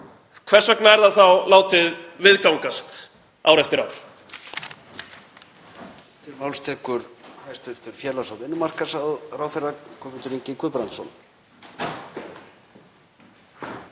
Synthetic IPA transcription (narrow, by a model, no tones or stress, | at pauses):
kʰvɛr̥svɛknaɛɾðaðθawlaːwt̪ɪðvɪðkawŋkast̪ | a̰ːwɾɛft̪ɪɾawɾ̥ | t̪ʰɪɾmawlst̪ʰɛːkʏɾ̥hajst̪ʏɾ̥t̪ʏɾ̥fjɛlawsawðɪnːʏmar̥kḁsaðrawθɛrːakʰɔmɪnt̪ʏɾiɲcɪkʰʏðpɾant̪sɔ̰n